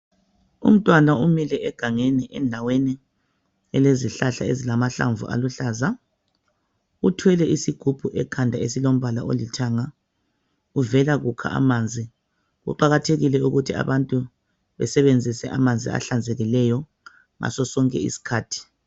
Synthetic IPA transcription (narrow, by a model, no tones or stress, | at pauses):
ṵm̩tʼwanaumilɛʔɛɡ̥ʱaŋeniʔɛndʱaweni | ɛleziɬaɬaezilamaɬa̰ɱvṵʔa̰luɬaːza | utʰwɛlɛʔisiɡ̥ʱub̥ʱuʔɛkʰandʱaesilom̩βala̰ʔo̰litʰaŋa | uvɛlaɣukʰa̰ʔa̰mand͡zʱi | ɣṵǃaɣatʰeɣilɛuɣutʰia̰βantʼu | βɛsɛβend͡zʱisɛʔamand͡zʱḭa̰ɬand͡zʱɛɣilɛjɔ | ŋa̰sɔsɔŋkʼɛ̰ḭsi̥kʰaːtʰi̥